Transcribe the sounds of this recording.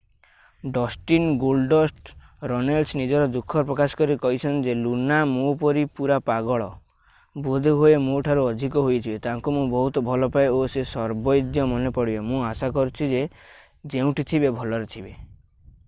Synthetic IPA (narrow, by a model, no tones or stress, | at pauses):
ɖɔsʈinɡolɖɔsʈɾɔnalsnid͡ʒɔɾɔd̪ukʰːɔpɾɔkasɔ̥kɔɾikɔɦit͡ʃʰɔnd͡ʒelunamũpɔɾipuɾapaɡɔɭɔ | bod̪ʱeɦoemũʈʰaɾuɔd̪ʱikɔɦojt̪ʰibet̪aŋkumũbɔɦut̪ɔbʱɔlɔpaeosesɔɾbɔjd̪jɔmɔnepɔɽibemũasakɔɾut͡ʃʰid͡ʒe | d͡ʒeũʈʰit̪ʰibebʱɔlɔɾet̪ʰibe